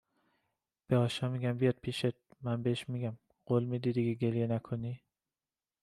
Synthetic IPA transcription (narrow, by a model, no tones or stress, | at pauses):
b̥eɒːʃɒːmiɡæmbijɒd̪̥̚pʰiʃet̪̚mænbeʃmiɡʲæm | ɢ̥olmid̪id̪iɡeɡelijenækʰoni